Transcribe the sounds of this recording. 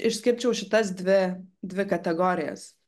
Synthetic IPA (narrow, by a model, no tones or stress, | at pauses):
ɪʃʲsʲkʲɪɾʲt͡ʃʲɛʊʃʲɪt̪ɐsd̪ʲʋʲɪd̪ʲʋʲɪkɐt̪ʲɛɡoːɾʲɪjɛ̰s